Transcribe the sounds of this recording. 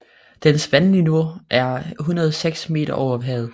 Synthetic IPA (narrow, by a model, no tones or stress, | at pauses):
d̥ensʋænlinoɐʔæɐɦunɐðˠseɡ̥sme̝̰ːɾ̥ɐʔɒʊɐʋɦɛ̰ːð̩ˠ